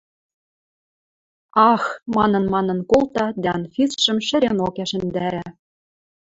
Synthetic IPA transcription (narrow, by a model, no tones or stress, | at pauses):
ɑxmɑnɤ̆nmɑnɤ̆nkolt̪ɑd̪æɑnfisʃə̆mʃɘ̆ɾenokæʃɘ̆nd̪æɾæ